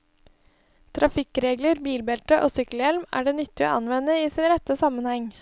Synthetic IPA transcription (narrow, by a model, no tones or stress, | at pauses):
t̪ʰɾɑfɪkɾeːɡləɾbiːlbɛlʈ̪əʔo̰ːsʏkəljɛlmæ̰ːɖeːnʏt̪ːɪo̰ːʔɑnʋɛnəiːsɪnɾɛt̪əsɑmənhɛŋ